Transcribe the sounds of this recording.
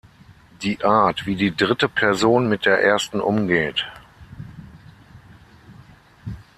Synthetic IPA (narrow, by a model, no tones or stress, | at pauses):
d̥iːʔaɐtv̥iːdiːdʁɪtəpʰɛɐzoːnmɪt̚d̥eːɐʔeːɐstn̩ʔʊmɡeːt